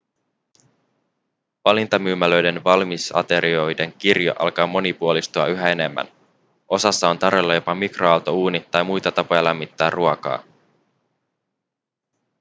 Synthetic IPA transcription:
ʋɑlint̪ɑmyːmælø̞jde̞nʋɑlmisɑ̰t̪e̞ɾio̞jde̞ŋkirjɑ̰ʔɑ̰lkɑːmo̞nipuolist̪uɑyɦæe̞ne̞mːæ̰n | ʔo̞sɑsːɑo̞nt̪ɑrʋe̞lːɑjo̞pɑmikroɑwt̪o̞uːnit̪ɑjmujt̪ɑt̪ɑpo̞jɑlæmːit̪ːæːrruɑkɑ̰ː

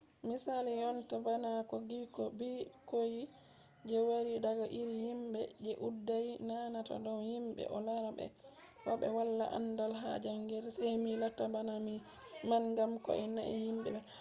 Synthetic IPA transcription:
misalijɔntabanakɔɡikɔbikoji | d͡ʒɛwaɾidaɡaʔiɾihimbɛd͡ʒɛʔudːajnanata̰dɔwhimɓɛ̰ʔɔlaɾabɛ̰ | waɓɛ̰walːa̰ʔa̰ndalɦa̰d͡ʒaŋɡɛɾsajmilatːabanami | manɡamkɔ̰ʔɛna̰ɛ̰himɓɛ̰bɛ

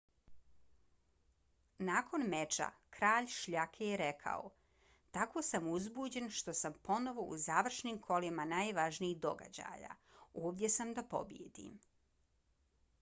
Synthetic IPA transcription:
naːkʰo̞nmet͡ʃa̰kɾaːʎʃʎakʰejeɾekʰa̰o̰ | t̪ako̞ːsamuzbuːd͡ʑe̞nʃt̪o̞sampo̞no̞ʋo̞ṵzaːʋr̩ʃnimkʰo̞limanaːjʋaʒniiɣd̪o̞̰ɡa̰d͡ʑa̰ːja̰ːoːʋd̪je̞samd̪apo̞̰bjḛd̪ḭm

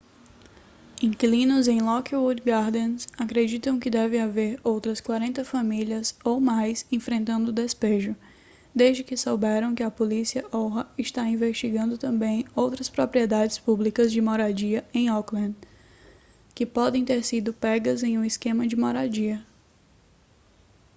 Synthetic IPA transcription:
ĩklĩnʊzẽj̃lɔkwuɾd̪ɡaɾd̪ẽnsakɾed͡ʒit̪ɐ̃w̃kɪd̪ɛvẽaveɾowt̪ɾɐskwaɾẽnt̪ɐfamiliɐzowmajsẽfɾẽnt̪ɐ̃nd̪ʊd̪espeʒʊ | d̪ezd͡ʒɪkɪsowbɛɾɐ̃w̃kɪɐpolisiɐʔɔɦɐɪʃt̪aĩveʃt͡ʃiɡɐ̃nd̪ʊt̪ɐ̃mbẽj̃owt̪ɾɐspɾopɾiɛd̪ad͡ʒɪspublikɐzd͡ʒɪmɔɾad͡ʒiɐẽj̃ɔklɐ̃d̪ | kɪpɔd̪ẽj̃t̪eɾsid̪ʊpɛɡɐzẽj̃ũiskẽmɐd͡ʒɪmoɾad͡ʒiɐ

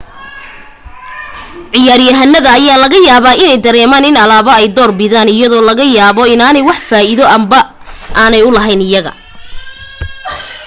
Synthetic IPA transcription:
ʕɪjaːɾjɐɦɐnːɐðɐːjaːlɐɣɐjaːβaːʔɪnɛjd̪ɐɾɛːmaːnɪnɐlaːβɐɛjd̪ɔːrbɪðaːnɪjɐðɔːlɐɣɐjaːβɔɪnaːnɛjwɑħfaːɪðɔʔɐmbɐ | ʔaːnɛjʊlɐɦɛjnɪjɐɣɐ̰

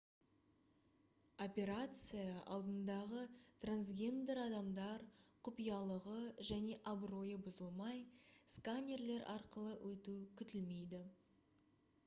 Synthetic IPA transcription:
o̞pʲe̞ɾat̪sɨjɑʔɑ̰lˠd̪ənd̪ɑʁət̪ransɡʲe̞nd̪eɾɑd̪ɑmd̪ɑɾqʰʊpijɑlˠəʁəʒæne̞ʔabro̞jəbʊzəlˠmɑjskanʲe̞rle̞ɾɑ̰ɾqəlˠəwʔɵt̪ukʲʰʏt̪ɪlme̞jd̪ɪ

